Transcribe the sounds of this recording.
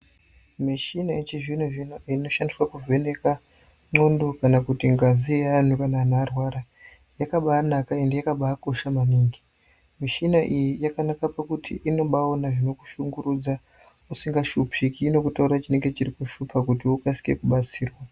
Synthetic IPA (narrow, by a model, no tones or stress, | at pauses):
miʃinaet͡ʃiʐin̤oʐinoino̞ʃandiswakuvʱe̞ne̞ka | ŋ͡ǀo̞ndo̞kanakutiŋɡazian̤ukanaːnaːrwaɾa | jakaɓaanakae̞ndejakaɓaːko̞ʃamaniːŋɡi | miʃinaʔijijakanakapakutʰḭʔino̞ɓaonaʐino̞ku̥ʃuŋɡuɾud͡za | usiŋɡaʃupikiːno̞kutauɾat͡ʃine̞ŋɡe̞t͡ʃirikuʃupakutiukasi̥kḛkuɓat͡siːrwa